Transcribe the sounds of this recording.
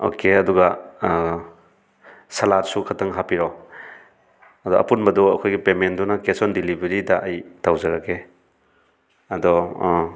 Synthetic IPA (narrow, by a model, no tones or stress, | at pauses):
o̰keɐduɡa | sɐlatsukʰɐtʰɐŋɦapiɾɔ | ɐdɔʔɐ̰punbɐdɔɐkʰojɡipemendɔnɐkesɔndilibeɾidɐʔːjtawzɐɾake | ɐdɔ